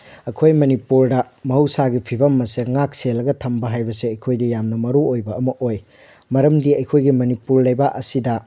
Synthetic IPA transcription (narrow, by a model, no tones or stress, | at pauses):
ɐkʰojmɐnipuɾdɐ | mɐɦɐwsaɡipʰibɐmːɐseŋak̚selːɐɡɐtʰɐmbɐɦajbɐseɐjkʰojdɐjamnɐmɐɾuojbɐɐmɐʔoj | mɐɾɐmdiɐjkʰojɡimɐnipuɾlɐjbaʔɐsidɐ